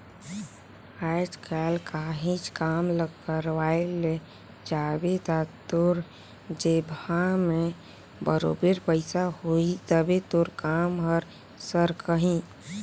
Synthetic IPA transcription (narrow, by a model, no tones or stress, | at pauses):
ad͡ʒkʰalkaɦĩt͡ʃkaːmləɡkəɾʋaele | d͡ʒawet̪at̪oɾ | d͡ʒebʱamẽ | bəɾo̰ːbeɾpəɪsahoit̪əbet̪oɾkaːmɦɔɾ | səɾkəɦĩ